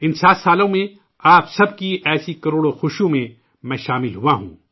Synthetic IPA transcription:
ɪnsaːt̪saːlõmẽ | aːpsɐb̚kiʔɛːsikɐɾoːɽoxʊʃjũmẽ | mɛ̃ːʃaːmɪlɦʊaɦṵ̃ː

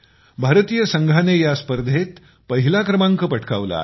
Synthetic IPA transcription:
bʱaɾt̪ijəsəŋɡʱanejaspəɾd̪ʱet̪ | pəɦilakɾəmaŋkəpəʈʰka̰ʋla̰

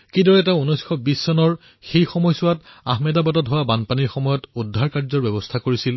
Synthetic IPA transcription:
kidɔɹɛɛtaunɔjskʰɔbisːɔnɔɹ | xejxɔmɔjsʊwataɦmɛdabatɔtɦowabanpaniɹxɔmɔjɔtudʱːaɹkaɹzɔɹbɛbɔstʰakoɹisil

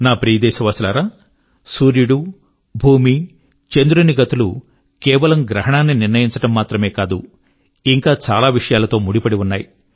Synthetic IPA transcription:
naːpɾiːɐd̪ɛːʃɐʋaːsilaːɾaː | suːɾjuɽu | bʱuːmi | t͡ʃend̪uɾuniɡɐt̪ulu | kɛːʋɐlɐmɡɾɐɦɐɳaːnːiniɾnɐjiɲt͡ʃɐʈɐmːaːt̪ɾɐme̞ːkaːd̪u | iŋkaːt͡ʃaːlaːʋiʂɐjaːlɐt̪o̞ːmuɽipɐɽiunːaːji

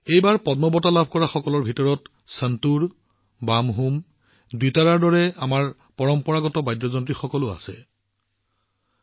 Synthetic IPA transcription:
ejbaɹpɔdnɔbɔtalabʱkɔɹaxɔkɔlɔɹbʱitɔɹɔt | səntuɹ | bamɦum | ditaɹaɹdɔɹɛamaɹ | pɔɹɔmpɔɹaɡɔtɔbajdːɔzɔntɹixɔkɔlʊa̰sɛ̰

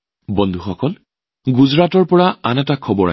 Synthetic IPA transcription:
bɔnd̪ʱuxɔkɔl | ɡuzɹatɔɹpɔɹaanɛtakʰɔbɔɹa̰

